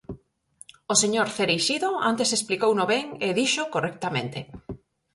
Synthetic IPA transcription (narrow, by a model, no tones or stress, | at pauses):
oseɲoɾθeɾejʃiðoa̰nt̪esesplikownoβeŋeðiʃokorɛkt̪amẽnt̪e